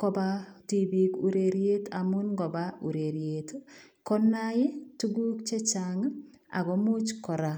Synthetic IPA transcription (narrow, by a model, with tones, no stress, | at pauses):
kɔ˦ba˦ti˨bi˨ku˨ɾe˨ɾje˦tamu˦nɡɔ˨bau˨ɾe˨ɾjet | kɔ˦nːa˦je˦tu˦ɡu˦k̚t͡ʃe˦t͡ʃaŋa̰˨ɡɔ˦mu˦t͡ʃkɔ˨ɾa˨